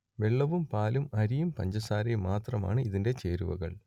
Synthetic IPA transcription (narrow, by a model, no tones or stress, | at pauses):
ʋe̞ɭːɐʋumpaːlumɐɾijumpɐ̰ɲd͡ʑɐsaːɾejmaːt̪rɐma̰ːɳɨiðinde̞t͡ɕe̞ːɾṵʋɐ̰ɣɐ̰ɭ